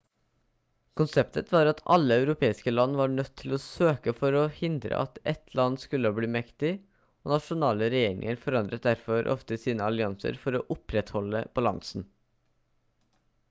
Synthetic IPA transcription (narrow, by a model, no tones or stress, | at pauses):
kʰʊnsɛpt̪ʰət̪ʰʋɑːɾɑt̪ʰɑ̰lːəɑʉɾʊpʰeːɪskəlɑnːʋɑːɳœt̪ʰːɪloːsøːkəfɔɾoːhɪnd̪ɾə̰ʔɑ̰t̪ɛt̪ʰlɑnːskʉlːəhɑːbliːmɛkt̪ɪ | oːnɑʂʊnɑːləɾɛjeːɾɪ̰ŋəɾfɔɾɑnd̪ɾət̪̚d̪æɾfɔɾʔɔ̰ft̪əsiːnəɑlɪɑnsə̰ɾfɔɾoːʔʊpɾɛt̪hɔlːəb̥ɑlɑ̰ŋsn̩